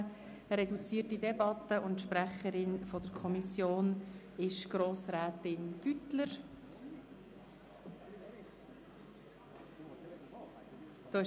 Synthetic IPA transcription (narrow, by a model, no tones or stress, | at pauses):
ɾɛdut͡siːərtidɛbɑt̪ːəʔʊntʃpɾæχəɾɪnfɔdəɾkʰɔmisjoːn | ɪʃɡ̥ɾoːsɾæːt̪ɪnb̥ytləɾ | d̥oːɪ